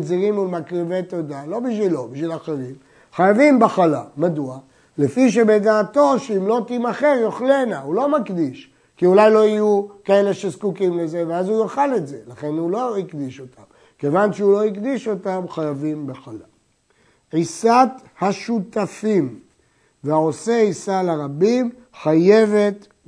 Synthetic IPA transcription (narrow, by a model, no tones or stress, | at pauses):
ziʁimulmakʁive̞t̪o̞d̪alo̞biʃvilobiʃvilaχeʁim | χajavimbeχalamadua | lefiʃ̬ebedaːto̞ʃeimlo̞t̪imaχeʁjo̞χle̞naulo̞makd̪iʃ | kiulajlo̞ijukae̞le̞ʃezkukimleze̞veazujaχale̞tze̞laχe̞nulo̞ikd̪iʃo̞tʰam | ke̞vanʃeulo̞ikd̪iʃo̞tamχajavimbeχala | ʕisathaʃut̪afim | veao̞seisalaʁabim | χaje̞ve̞t̪